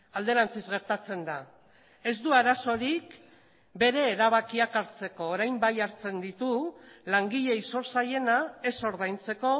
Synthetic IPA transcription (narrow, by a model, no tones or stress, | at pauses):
ald̪e̞ɾant͡sizɣe̞ɾt̪at͡se̞nd̪a | e̞zd̪uaɾaso̞ɾik | be̞ɾe̞ːɾaβ̞akiakaɾt͡se̞ko̞ːɾajmbajaɾt͡se̞nd̪it̪ulaŋɡiʎe̞iso̞ɾsaje̞nae̞so̞ɾðajnt͡se̞ko̞